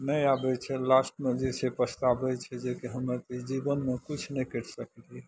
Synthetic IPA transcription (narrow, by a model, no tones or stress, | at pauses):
nəjabɛt͡ʃʰɛlasʈmed͡ʒet͡ʃʰɛpəst̪abɛt͡ʃʰɛd͡ʒekeɦəməɾt̪əd͡ʒibənmekit͡ʃʰnɛjkəɾsəkli